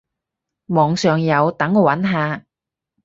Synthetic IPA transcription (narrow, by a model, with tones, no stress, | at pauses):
mɔː˨˧ŋsœː˨ŋjɐ˨˧wt̪ɐ˨˥ŋoː˨˧wɐ˨˥nɦaː˨˧